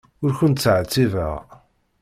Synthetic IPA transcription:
ʊɾçʊnt̪t͡sːʕt͡sːivə̰ʁ

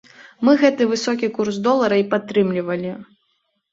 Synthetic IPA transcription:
mɨɣɛt̪ɨvɨsɔkʲikursd̪ɔlˠɐɾɐipat̪ːɾɨmlʲivɐlʲi

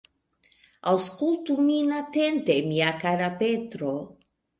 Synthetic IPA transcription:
awskult̪uminat̪ent̪emiakaɾapet̪ɾo

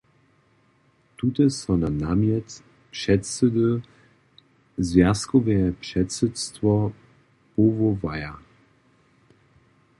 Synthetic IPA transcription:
t̪ut̪ɛsɔnanamjɛt | pʂɛtsɛd̪ə | zvʲjaskɔvɛɛpʂɛtsɛtstvɔ | povɔvaja

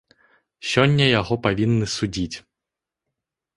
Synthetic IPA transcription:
sʲɔnʲːɐjaɣɔpavʲinːɨsud͡zʲit͡sʲ

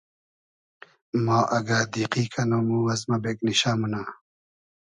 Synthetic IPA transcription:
mɑːʔɐɡaːd̪iːqiːkʰɐnomuwɐzmɐbekniɕaːmuna

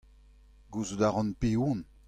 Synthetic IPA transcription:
ɡuzudaʁɑ̃npeun

